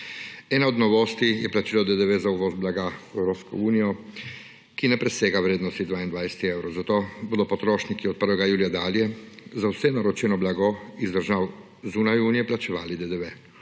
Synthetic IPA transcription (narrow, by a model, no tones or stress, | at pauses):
ɛːnaɔd̪nɔʋoːst̪ijɛplat͡ʃilɔd̪ɛd̪ɛʋɛzauʋɔzblaɡaɛwɾoːpskɔ̰uːnijɔ | kinɛpɾɛseːɡawɾeːd̪nɔst̪id̪ʋaːind̪ʋajsɛ̥t̪iewɾɔwzat̪oːboːd̪ɔpɔt̪ɾoːʃnikiɔt̪̚pəɾʋɛɡajuːlijad̪aːljɛzawsɛnaɾɔt͡ʃɛnɔblaɡɔizd̪əɾʒaw | zuːnajuːnijɛplat͡ʃɛʋa̰ːlid̪ɛd̪ɛʋɛ